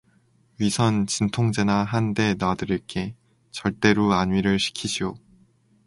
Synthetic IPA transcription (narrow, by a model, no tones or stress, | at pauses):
ɥisʰʌnt͡ɕintʰoŋd͡ʑe̞naɦande̞nadɯɾiɭk͈e̞ | t͡ɕʌɭt͈e̞ɾoaɲɥiɾɯɭɕʰi̥kʰiɕʰio